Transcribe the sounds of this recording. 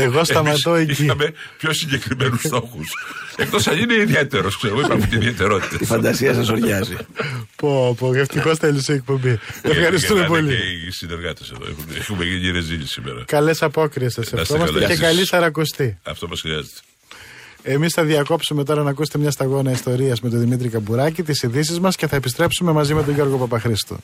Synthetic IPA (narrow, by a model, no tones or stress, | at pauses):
eɣosɐmɐt̪oe̞iciɐme | pçosiɲɟekɾimenust̪oxusek̚t̪osɐnineiðiet̪eɾoskseeɣoipɐɾmut̪iðiet̪eɾo̞t̪i̥t̪ɐt̪ifɐnd̪ɐsiɐs̬ɐsoɾʝɐzipopoɣeft̪ikost̪eluseek̚po̞mbiefxɐɾis̬t̪ume̞poliisineɾɣɐt̪eseðo̰ḛxumexumeɣiɲiɾezilisimeɾɐ̰kɐle̞sɐpo̞kɾiesɐseɐsomɐsecekɐlisɐɾɐkost̪iɐ̰ft̪omɐsxɾiɐzet̪e̥ | e̞misθɐðiɐko̞psume̞t̪̬o̞ɾɐnɐk̬uset̪emɲɐst̪ɐɣo̞nɐist̪o̞ɾiɐzme̞t̪oðimit̪ɾikɐbuɾɐcit̪̬isiðisizmɐsce̞θɐepist̪ɾe̞psume̞mɐzime̞t̪̬oʝo̞ɾɣo̞pɐpɐxɾist̪o̰